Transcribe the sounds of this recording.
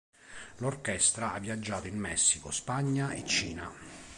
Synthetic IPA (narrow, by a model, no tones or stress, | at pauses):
lorkɛst̪ɾaavːiad͡ʒːaːt̪oinmɛsːikospaɲːaet͡ʃːiːna